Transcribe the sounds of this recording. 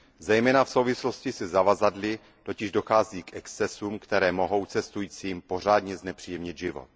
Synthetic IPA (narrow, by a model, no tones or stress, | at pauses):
zɛjmɛːnafso̞wvɪslo̞scɪsɪzavazadlɪ | t̪o̞cɪʒdo̞xaːziːkʔɛkst͡sɛsumkt̪ɛɾɛːmo̞ɦo̞wt͡sɛst̪ujiːt͡siːmpo̞r̝aːdɲɛznɛpr̥iːjɛmɲɪd̪ʒɪvo̰t̪̚